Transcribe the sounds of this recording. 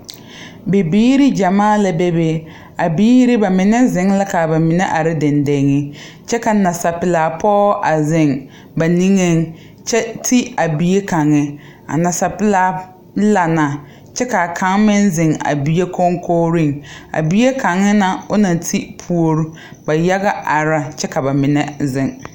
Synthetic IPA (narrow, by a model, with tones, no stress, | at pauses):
be˨biː˦ɾi˦d͡ʒa˨maː˦la˦be˦be˦ | a˨biː˦ɾɪ˦ba˨mɪ˨nɛ˦zɪ˨˦ŋla˦ka˨ba˨mɪ˨nɛ˦ʔa˨ɾɪ˦dɪ˨nde˨˦ŋɪ˦ | t͡ʃɛ˦ka˨na˨sa˨pɪ˨la˨pʰɔː˦ʔa˨zɪ˨ŋ | ba˨ni˦ŋe˦ŋ | t͡ʃɛ˦tʰi˦a˨bi˨je˦ka˨ŋɪ˦ | a̰˨na˨sa˨pɪ˨laː˨˦ | la˨na˨ | t͡ʃɛ˦ka˨kʰa˦ŋmɪ˦nzɪ˨ŋa̰˨bi˨je˦kʰo˦ŋkʰoː˦ɾi˦˨ŋa̰˨bi˦e˦ka˨ŋɪ˦na˨ʊ˦na˨tʰi˦pʰu˨o˨ɾu˦ | ba˨ja˦ɣa˦ʔa˨ɾa˨t͡ʃɛ˦ka˨ba˨mɪ˨nɛ˦zɪ˨ŋ